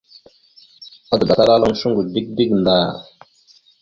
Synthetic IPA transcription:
a˦t̪ba˨t̪a˦la˦lo˦ŋʃu˦ŋɡu˨d̪i˦k̚di˦ɡn˨d̪a˨

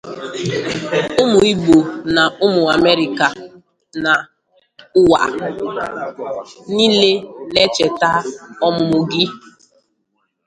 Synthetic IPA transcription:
ʊ˦mʊ˨i˦ɡ͡bo˨na˨ʊ˦mʊ˨a˨me˦ɾi˨ka˨ | na˨ | ʊ˦wa̰˨ | ni˦le˦le˦t͡ʃe˨ta˦ɔ˦mʊ˨mʊ˨ɡi˦

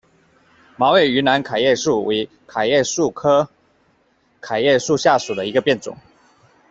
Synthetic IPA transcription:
mɑ˧˥ʊwe˨˩y˧˥na˧˥nkʰa˨˩ɪjɛ˥˧ʂu˥˩wʔe˧˥ɪ | kʰa˨˩jɛ˥˧ʂu˥˨kʰɤ˥ | kʰa˨˩ɪjɛ˥˧ʂu˥˧ɕja˥˩ʂu˨˩d̪ə˦i˧˥ɡə˧pjɛ˥˩nt͡sʊ̰˨˩˦ŋ

